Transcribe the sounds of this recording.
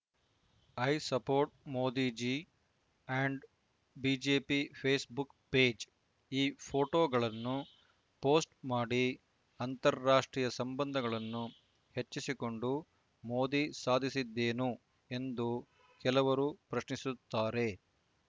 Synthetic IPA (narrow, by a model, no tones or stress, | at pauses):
ɐjsɐpoːɾʈ̚moːd̪iːd͡ʒi | ɐɳɖ | biːd͡ʒeːpipʰeːsbuk | pe̞ːd͡ʒ | iːpʰo̞ːʈoːɡɐɭɐnːu | poːsʈmaːɽi | ɐnt̪ɐɾːaːʂʈɾiːjɐsɐmbɐnd̪ʱɐɡɐɭɐnːu | he̞t͡ʃːisiko̞ɳɖu | mo̞ːd̪isaːd̪ʱisid̪ːe̞ːnu | e̞nd̪u | kɛlɐʋɐɾuːpɾɐʃnisut̪ːaːɾe̞